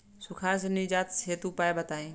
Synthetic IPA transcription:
sʊkʰaːɾs̬nid͡ʒaːt̪seːt̪upajbət̪aːĩ

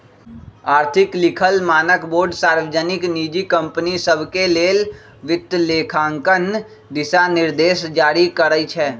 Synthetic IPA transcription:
aːɾt̪ʰɪklɪkʰəlmaːnəkboːɾɖsaːɾʋəd͡ʒənɪkniːd͡ʒikə̃mpənisəbʱkeleːl | ʋɪt̪ːleːkʰãːŋkən | d̪ɪsanɪɾd̪eːʃd͡ʒaːɾikəɾəit͡ʃʰɛː

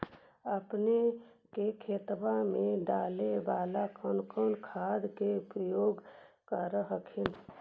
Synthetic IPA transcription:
əpne | kekʰeːt̪bamẽɖaːlebaːlakənkʰəːnkʰaːd̪keʊpɾəjoːɡ | kəɾɦəkʰin

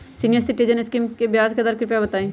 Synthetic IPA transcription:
siːnijəɾsɪʈiːd͡ʒənɪskiːmkebjaːzked̪aɾkɪɾɪpjabɐt̪aːẽː

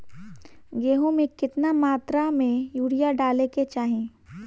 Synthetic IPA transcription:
ɡeːɦõmẽkɪt̪namaːt̪ɾamẽjuːɽijaɖaːleket͡ʃaːɦẽː

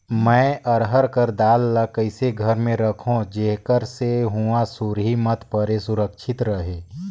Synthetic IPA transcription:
mɛ̃ːʔəɾɦəɾkəɾd̪aːlːəkəɪseɡʱəɾmẽɾəkʰõd͡ʒeɦkəɾseɦuasuɾɦimət̪pəɾesʊɾəkʃʰɪt̪ɾəɦeː

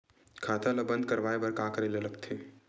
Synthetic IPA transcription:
kʰaːt̪ʰalɐbɐ̃nd̪kɐɾʋaːebɐɾkaːkɐɾelelɐɡt̪ʰeː

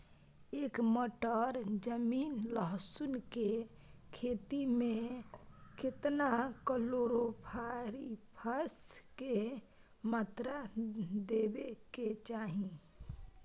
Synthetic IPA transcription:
eːkmoʈəɾd͡ʒəmiːnləɦsunke | kʰet̪imẽ | kɪt̪nakəloɾopʰaɾipʰəske | maːt̪ɾad̪ebeket͡ʃaːɦĩ

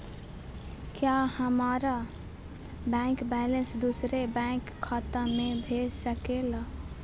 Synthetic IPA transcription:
kjahəmaɾa | bɛ̃ŋkbɛlensd̪usɾebãkʰːət̪əmebʱesəkelə

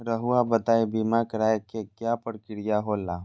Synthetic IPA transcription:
ɾəɦuabət̪aːebimakəɾaːekekjaːpəɾkɪɽijaɦolaː

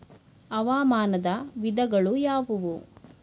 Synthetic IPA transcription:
ɐʋaːmaːnɐd̪ɐʋid̪ɐɡɐɭujaːʋuʋu

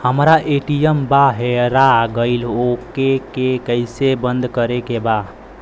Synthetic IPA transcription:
həmɾaʔeʈijəmbaɦeɾaɡəɪlokekekəɪsebənd̪ʱkəɾekeba

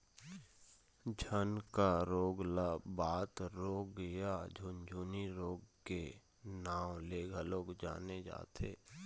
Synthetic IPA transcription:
d͡ʒʱənkaɾoːɡlabaːt̪ɾoːkɡəjad͡ʒʱʊnd͡ʒʱuːniɾoːɡkːe | naːwleːɡʱəloːɡd͡ʒa̰ːned͡ʒa̰ːt̪ʰḛː

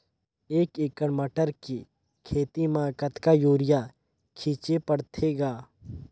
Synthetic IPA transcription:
eːkekəɽməʈəɾki | kʰeːt̪imaːkət̪kajoːɾɪja | kʰiːt͡ʃepəɽt̪ʰeɡaː

